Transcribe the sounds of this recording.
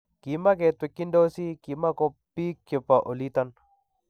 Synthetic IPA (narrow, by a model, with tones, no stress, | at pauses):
ki˨ma˦ke˨t̪we˨kːi˦ndo˦si˦ki˨ma˦ko˨pːi˦kːe˨pːaʔo˨lit̪ɐn